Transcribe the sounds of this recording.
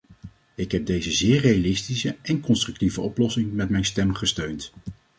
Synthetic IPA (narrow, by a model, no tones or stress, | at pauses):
ɪkɦɛb̚dejzəzɪːɹrejalɪstisəʔɛnkɔnstrɵk̚tivəɔplɔsɪŋmɛtmɛjnstɛmχəstøɥnt